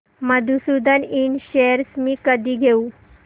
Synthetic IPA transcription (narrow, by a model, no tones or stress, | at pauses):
məd̪ʱusud̪ʱəniɳɕeɾsmiːkəd̪ʱiːɡʱeu